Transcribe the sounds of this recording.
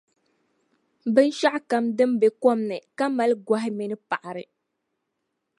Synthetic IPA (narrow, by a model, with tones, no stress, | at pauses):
bɨ˦n˦ʃa˦ʔka˦mdɨ˦mbe˨kɔ˦mnɨ˨ka˦ma˦lɡʷa˦ɦɪ˦mi˦nɨ˦pa˨ʔa˨ɾɨ˨